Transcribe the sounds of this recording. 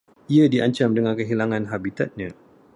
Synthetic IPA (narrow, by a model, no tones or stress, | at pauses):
iadiaɲt͡ʃamdəŋãnkəɦilaŋãnɦabit̪at̪̚ɲã